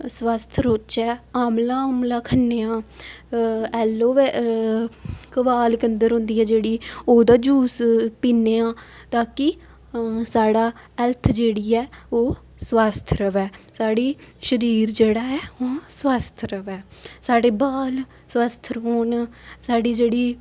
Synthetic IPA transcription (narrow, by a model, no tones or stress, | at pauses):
sʋaːst̪ʰɾot͡ʃɛːaːmlaːaːmlaːkʰənːeːãː | ɛːlːoːe | kəʋaːlkənd̪əɾɦʊ̃nd̪iːɛːd͡ʒeːɽiːoːd̪aːd͡ʒuːspiːneːãːt̪aːkɪ | saːɽaː | ɛlt̪ʰd͡ʒeːɽiːɛːoː | swaːst̪ʰɾəʋɛːsaːɽiːʃəɾiːɾd͡ʒeːɽaːɛːoːswaːst̪ʰɾəʋɛːsaːɽeːbaːl | swaːst̪ʰɾɦoːnsaːɖiːd͡ʒeːɽiː